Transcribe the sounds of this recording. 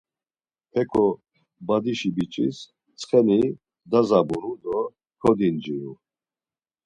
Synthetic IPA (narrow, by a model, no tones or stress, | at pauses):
pʰɛkʰɔ | bad̪iʃibit͡ʃʼḭs | t͡sʼχɛni | d̪azabuɾud̪ɔ | kʰɔd̪ind͡ʒiju